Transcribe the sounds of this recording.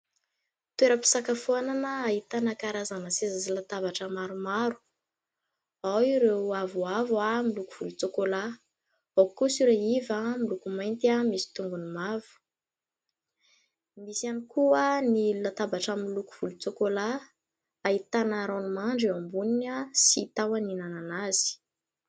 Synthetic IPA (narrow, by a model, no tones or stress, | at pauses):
t̪weɾəpi̥sakafuananəːɦit̪anakaɾazanəsezazilat̪avaʈ͡ʂəmaɾumaɾu̥ | awiɾeavuavamilukuv̥ulut͡sokola | akusiɾaivamilukumajnt̪iamisi̥t̪uŋɡunimavu̥ | misianikuənilat̪abaʈ͡ʂamiluku̥v̥ulut͡sokola | ait̪anaɾawnumaɳɖ͡ʐiwambuninasit̪awaninananaz̥i̥